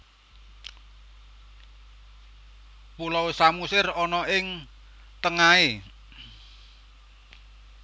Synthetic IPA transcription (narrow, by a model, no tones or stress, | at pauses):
pulɔwesamusɪrɔnɔʔɪŋ | t̪əŋae